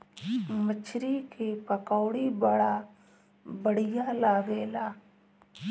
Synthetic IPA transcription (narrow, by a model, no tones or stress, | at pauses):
mət͡ʃʰɾikepəkaːɽibəɽa | bəɽ̤ɪjalaːɡeːlaː